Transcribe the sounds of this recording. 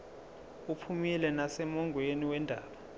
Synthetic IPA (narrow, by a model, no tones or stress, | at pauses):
upʰumilɛnasɛmɔŋɡʱweniwɛndʱaːɓa